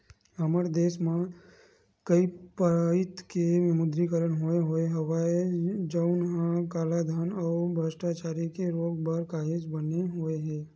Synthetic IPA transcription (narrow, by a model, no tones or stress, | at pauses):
ɦəməɾd̪eːsmẽ | kəipəɾaɪt̪keʋɪmʊd̪ɾikəɾəɳɦoeɦoeɦɐwaed͡ʒəʊnɦãkaːlad̪ʱanɔːbʱəsʈat͡ʃaːɾikeɾoːɡ̚baɾkaːɦed͡ʒbəneɦoːeɦɛː